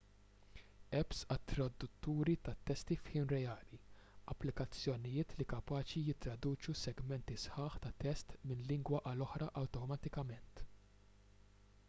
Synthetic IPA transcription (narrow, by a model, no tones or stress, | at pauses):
ɛpsɐt̪ːɾɐd̪ʊt̪ːuːɾit̪ɐt̪ːɛst̪ifħiːnɾɛɐːliɐpːlɪkɐt͡sːjɔnɪjɪːt̪likɐpɐːt͡ʃijɪt̪ːɾɐd̪uːt͡ʃusɛɡmɛnt̪isħɐːħt̪ɐt̪ɛst̪mɪnlɪŋɡwɐʔɐlɔħɾɐʔɐwt̪ɔmɐt̪ɪkɐmɛnt̪